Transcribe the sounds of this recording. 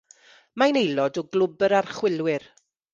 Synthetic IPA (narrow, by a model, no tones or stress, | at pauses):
manejlˠɔdɔɡlˠʊbəɾarχwɪlˠwɪr